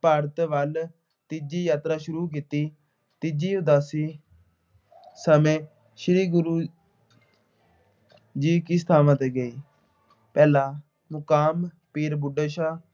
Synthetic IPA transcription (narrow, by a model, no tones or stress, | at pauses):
paːɾət̪ʋəl | t̪ɪd͡ʒiːjaːt̪ɾaːʃʊɾuːk̬iːt̪iː | t̪ɪd͡ʒiːʊd̪aːsiː | səmẽː | ʃɪɾiːɡʊɾuː | d͡ʒiːkiːsə̥t̪ʰaːmat̪ːɡəiː | pɛːlaː | mʊkaːm | piːɾbʊɖəʃaː